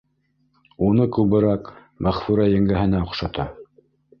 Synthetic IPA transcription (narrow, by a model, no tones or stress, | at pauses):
unɤkʉbɘ̆ɾɑk | mæχfuɾæjɘ̆ŋɡæɦɘ̆næŏqʃɑt̪ʰɑ